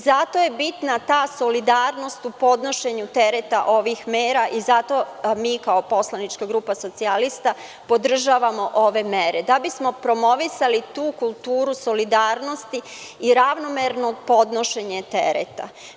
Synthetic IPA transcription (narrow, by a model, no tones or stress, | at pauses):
zat̪o̞je̞bit̪nat̪aːso̞lid̪aːɾno̞st̪upo̞d̪no̞ʃe̞ɲut̪e̞ɾet̪aʔo̞ʋixmeːɾaʔizat̪o̞miːkaopo̞slˠanit͡ʃkaɡɾuːpaso̞t̪sialist̪a | po̞d̪r̩ʒaːʋamo̞ʔo̞ʋe̞meɾed̪abismo̞pɾo̞mo̞ʋisalit̪uːkulˠt̪uːɾuso̞lid̪aːɾno̞st̪iːɾaʋnomeɾnopo̞d̪no̞ʃe̞ɲet̪ḛɾḛt̪a̰